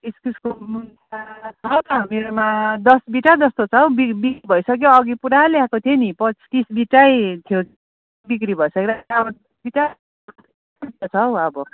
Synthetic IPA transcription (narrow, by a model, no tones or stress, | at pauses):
iskuskomun | at͡sʰʌwt̪ʌmeɾomad̪ʌsbiʈad̪ʌst̪ot͡sʰʌwbibikɾibʱʌisʌk̬joʌɡipuɾaljakot̪ʰienipʌt͡skisbiʈajt̪ʰjok | bik̬ɾibʱʌisʌkeɾaʌbʌd̪ʌsbiʈa | itat͡sʰʌwʌbʌ